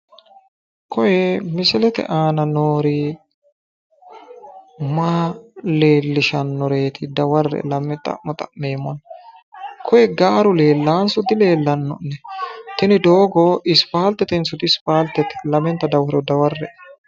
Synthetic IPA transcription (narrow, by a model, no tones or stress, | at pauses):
kɔjɛmɪsɪlɛt̪ɛ̰ʔaːnɐnoːɾi | maːle̞ːlːɪʃɐnːɔɾe̞ːt̪ʰɪd̪ɐwɐrːɛ̰lɐmɛt̪ʼɐ̰ʔmɔt̪ʼɐʔmeːmɔn | kʰɔjɛɡaːɾʊle̞ːlːaːnsʊt̪ɪle̞ːlːɐnːɔ̰nːɛt̪ɪnɪd̪oːɡɔɪspaːlt̪ɛt̪ɪnsʊt̪ɪspaːlt̪ɛt̪lɐmɛnt̪ɐd̪ɐwɐɾɔd̪ɐwɐrːɛ